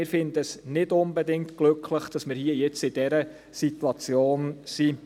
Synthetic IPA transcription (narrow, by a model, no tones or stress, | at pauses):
ɪɾfɪndəəsnɪdʊnbɛdɪŋtɡ̥lʏkʰləχd̥ɑsmɪːɾhiəjɛt͡sɪd̥ɛɾə | sit̪uɑt͡sjoːnsi